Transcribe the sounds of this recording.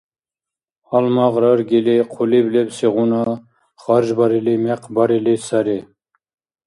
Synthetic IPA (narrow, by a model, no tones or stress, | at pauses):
ɑlmɑʁɾɑɾɡʲiliqʰoliblɛbseʁunɑ | χɑɾʒbɑɾilimɛqʰbɑɾilisɑɾi